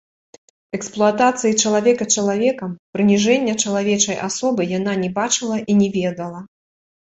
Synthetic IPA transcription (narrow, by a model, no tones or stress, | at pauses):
ɛksplˠuat̪at̪sɨjit͡ʂɐlˠavʲɛkɐt͡ʂɐlˠavʲɛkɐmpɾɨnʲiʐɛnʲːɐt͡ʂɐlˠavʲɛt͡ʂɐjʔasɔbɨjananʲɛbat͡ʂɨlˠɐʔinʲɛvʲɛd̪ɐlˠɐ